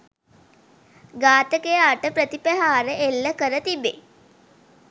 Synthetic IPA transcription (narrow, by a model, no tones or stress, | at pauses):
ɡaːt̪əkejaʈəpɾət̪ipæɦaːɾəʔelːəkəɾət̪ibḛ